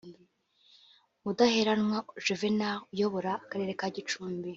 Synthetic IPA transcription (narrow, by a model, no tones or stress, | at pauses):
mudaheɾanŋwaʒevenaujoβoɾaːkaɾe̞ːɾekaɟit͡ʃuːmbi